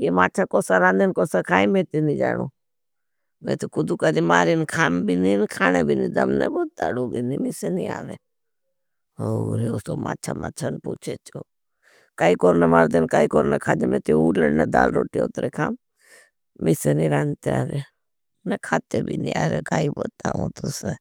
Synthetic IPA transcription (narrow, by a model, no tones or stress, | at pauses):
jemaːt͡ʃʰakoːsaɾãːnd̪enkoːsakʰaːimẽːt̪inid͡ʒa̰ːnuː | mẽt̪ikʊd̪ukad̪imaːɾinkʰaːmbiniːnkʰaːnebʱinĩːd̪ɐmnɛboːt̪̚d̪a̰ɽobinimisenia̰ːɾeː | oɾeosoma̰ːt͡ʃʰa̰ma̰ːt͡ʃʰanput͡ʃʰet͡ʃoː | kaːikoːɾnemaɾd̪enkaːikoːɾnekʰaːd͡ʒemẽːt̪iuːlənnɛd̪a̰ːlɾoːʈio̰t̪ɾekʰaːm | miseniɾant̪eaːɾe | nɛkʰaːt̪ebʱḭnia̰ːɾekaːibot̪aõ̰t̪ose